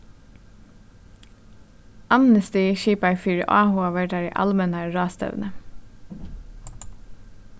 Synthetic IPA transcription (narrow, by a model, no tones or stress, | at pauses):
ʔɑmnəst̪iʃiːpɑɪfyːɹə̰ʔɑːhʊɑːʋæʈ̚dæːɾḭːʔɑ̰lmənæːɹɑːst̪ɛ̰ʋnʔə